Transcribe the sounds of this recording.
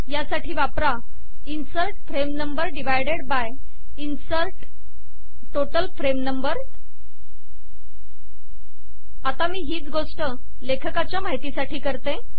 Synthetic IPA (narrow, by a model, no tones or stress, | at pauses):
jasaʈʰiːʋapɾa | insəɾʈ̚fɾemnəmbəɾɖiʋ̤ajɽeɽbaj | insəɾʈː | oʈəlfɾemnəmbəɾ | at̪amiːɦiːt͡sɡoʂʈə | lekʰəkat͡ɕjamaɦit̪iːsaʈʰiːkəɾt̪ẽ